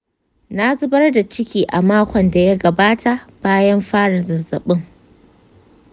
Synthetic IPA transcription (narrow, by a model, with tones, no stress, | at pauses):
na˦zʊ˦bɐ˦rda˨t͡ʃɪ˦kʲiː˨ʔa˨maː˦kʷɔ˨nda˨ja˦ɡɐ˨baː˦tʰa˨ʔb̥aː˦jɐ˦mɸaː˦ɽɐ˨zɐ˨zɐ̰˨ɓɪ˦ŋ